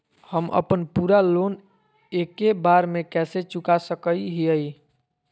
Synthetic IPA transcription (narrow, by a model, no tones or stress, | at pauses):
həmə̰pənpuɾalon | ekebaɾmekɛset͡ʃukasəkəiɦiəi